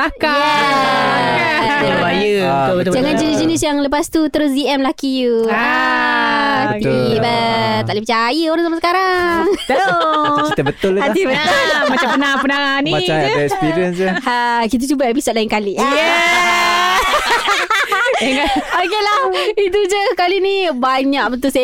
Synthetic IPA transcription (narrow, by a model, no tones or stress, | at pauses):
t̪aka | bajəbbəd͡ʒaŋand͡ʒənisd͡ʒənisjaŋləpast̪ut̪əɾʊsdiɛmlakijua | ibat̪aʔləpət͡ʃajəoɾaŋs̬amasəkaɾaŋakit̪abət̪ʊlaibət̪ʊlmat͡ʃampənapənaŋanimaɛkspiɾiənsahakit̪̬at͡ʃubaep̬isot̪̚laɪŋkalijə | ŋaokelahit̪̬ud͡ʒəskalinibaɲãk̚bət̪us